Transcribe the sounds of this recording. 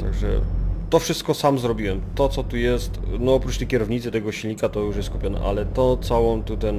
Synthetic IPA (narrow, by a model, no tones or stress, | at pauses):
t̪a̰ɡʐɛ̰t̪ɔfʂɘst̪̚kɔsamzɾɔbʲiwɛmt̪ɔt̪sɔt̪ujɛst̪nɔɔpɾut͡ʂt̪ɛjkʲɛɾɔvɲit̪sɘt̪ɛɡɔɕilʲɲikat̪ɔjuʂjɛst̪kupʲɔnɛ̰ʔa̰lɛt̪ɔt̪sawɔmt̪ut̪ɛn